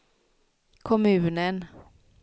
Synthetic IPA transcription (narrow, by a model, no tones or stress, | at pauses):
kʰɔmʉ̟ːnən